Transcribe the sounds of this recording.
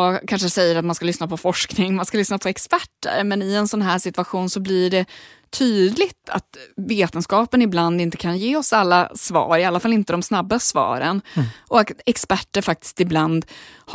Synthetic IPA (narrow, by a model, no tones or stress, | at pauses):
ɑkʰanʂəsɛjːəɾat̪manskalʏsnapʰɔfɔʂknɪŋmanskalʏsnapʰɔɛkspæʈːə̰ɾmɛnɪɛnsɔnɦæːʂɪt̪ɵaɧuːnsɔblɪɖɛ | t̪ʰyːd̪lɪɡt̪ʰa̰t̪veːt̪ənskɑːpənɪbland̪ɪnt̪ə̥kʰanjeːɔsalːa̰svɑ̰ːɾɪalːafalɪnt̪əd̪ɔmsnabːasvɑ̰ːɾə̰nɔaɛkspæʈːəɾfak̚t̪ɪ̥st̪ɪbland̪h